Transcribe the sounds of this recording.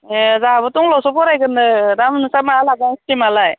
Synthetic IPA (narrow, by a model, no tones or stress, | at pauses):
ezaɦabɯtɔŋlɔsɔpɔɾajɡɯndɯɾamnɯsamaalaɡaŋstimalaj